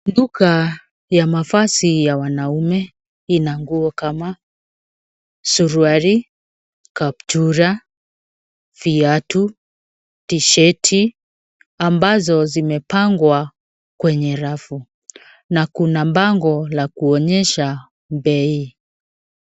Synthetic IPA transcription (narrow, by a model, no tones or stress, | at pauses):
nduka | jamafasijawanaumɛ | inaŋɡuɔkama | suɾuaɾi | kap̚tuɾa | fiatu | tiʃɛtʰi | ambazɔzimɛpaŋɡwa | kwɛɲɛɾafu | nakunambaŋɡɔlakuɔɲɛʃa | bɛi